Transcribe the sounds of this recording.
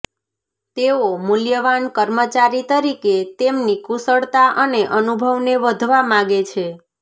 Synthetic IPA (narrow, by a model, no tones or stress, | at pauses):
t̪eomʊljəʋankəɾmət͡ʃaɾit̪əɾiket̪emnikusəɭt̪aʔəneʔənubʱəʋneʋəd̪ʱʋamãɡet͡ʃʰe